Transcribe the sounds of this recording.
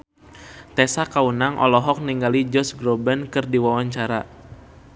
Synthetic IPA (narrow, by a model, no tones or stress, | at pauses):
t̪ɛsakaunaŋʔɔ̰lɔɦɔk̚niŋɡalid͡ʒɔsɡɾɔbɛnkɨrdiwawaɲt͡ʃaɾa̰